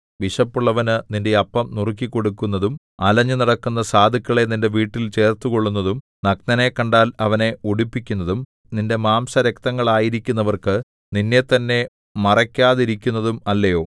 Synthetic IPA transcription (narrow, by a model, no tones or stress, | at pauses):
ʋiʂɐpːuɭːɐʋɐnɨninde̞ɐpːɐmnuruk̬ːikːo̞ɽukːun̪ːɐðum | ɐlɐɲːɨnɐɽɐkːunːɐsaːd̪ʱikːɐɭe̞ninde̞ʋiːʈːilt͡ɕe̞ːrt̪uko̞ɭːunːɐðum | nɐk̚nɐne̞kːɐɳɖaːlɐʋɐne̞uɽipːikʲːunːɐðum | ninde̞maːmsɐɾek̚t̪ɐŋːɐɭaːjiɾikʲːunːɐʋɐrkɨ | ninːe̞t̪ːɐnːe̞ | mɐrɐkʲːaːðiɾikʲːunːɐðumɐlːɐjo̞ː